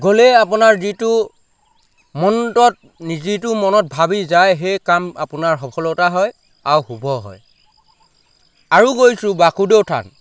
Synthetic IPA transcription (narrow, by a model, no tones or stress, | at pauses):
ɡolɛap̬ʊnaɹzitʊ | mɔntɔt̚ | nizit̬ʊmɔnɔt̚bʱabizajɦejkama̰pʊnaɹɦɔpʰɔlɔtaɦɔj | awxubʱɔɦɔ̰j | aɹuɡojsʊ̃bakudewtʰa̰n